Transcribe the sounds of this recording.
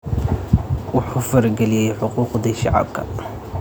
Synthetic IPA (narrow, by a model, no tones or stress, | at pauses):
wʊħufɐɾɡɛlɪjɛjħʊquːqd̪iʃɑ̰ʕɑ̰b̚kʰɐ̰